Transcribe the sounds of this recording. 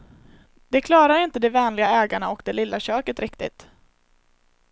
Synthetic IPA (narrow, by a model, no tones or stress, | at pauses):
d̪̥ɛkʰlɑːɾaɾɪnt̪əd̪ɛvɛːnlɪɡaɛːɡaɳaɔkd̪ɛlɪlːaɕøːkət̪ɾɪkt̪ɪ̰t̪